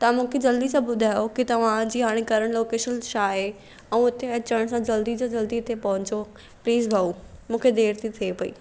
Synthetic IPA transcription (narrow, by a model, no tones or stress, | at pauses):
t̪ɐʋãmũːkʰed͡ʑɐld̪isãbʊd̪ʱaːjokit̪ɐʋ̤ãd͡ʑiːɦaːɽ̃ekɐɾəɽ̃loːkeːʃənʃaːɦe | ɛ̃ːʊt̪eɐt͡ɕəɽ̃sãd͡ʑɐld̪id͡ʑad͡ʑɐld̪it̪ʰepɐ̃ɦʊ̃ɲt͡ɕo | pliːzbʱɐumũːkʰed̪eːɾt̪ʰit̪ʰiepɐḭː